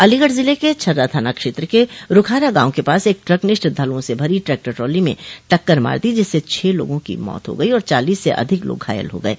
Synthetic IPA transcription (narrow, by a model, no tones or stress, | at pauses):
ɐliɡəʈzɪleket͡ʃʰɐɾːat̪ʰaːnakʃeːt̪ɾəkeɾʊkʰaːɾaɡãːõkepaːseːk̚ʈɾɐknɪʃʈd̪ʱɐlõsebʱɐɾiʈɾɛːk̚ʈɛʈɾoːlimḛ̃ʈɐkːəɾma̰ːɾd̪id͡ʒɪsːet͡ʃʰeːlo̰ːɡõkḭmɔ̰ːt̪ɦo̰ɡɐiɔːɾt͡ʃa̰ːliːsːḛʔɐ̰d̪ʱɪklo̰ːɡʱɦa̰ːjə̰lɦo̰ɡɐḛː